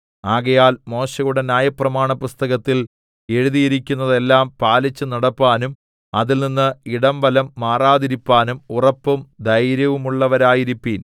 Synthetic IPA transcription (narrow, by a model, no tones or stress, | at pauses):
aːɣɐjaːlmo̞ːɕɐjuɽe̞nʲjaːjɐprɐmaːɳɐpust̪ɐɣɐt̪ːil | e̞ɻuðijiɾikʲːunːɐðe̞lːaːmpaːlit͡ɕːɨnɐɽɐpːaːnum | ɐðilninːɨiɽɐmʋɐlɐmːaːraːðiɾipːaːnumurɐpːumd̪ɐjɾjɐʋumuɭːɐʋɐɾaːjiɾipːiːl